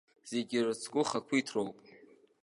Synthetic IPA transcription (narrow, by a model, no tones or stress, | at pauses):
z̥e̞ɡʲɪrɨt͡sʰkʷʼʊχakʷʰiitʰrowpʼ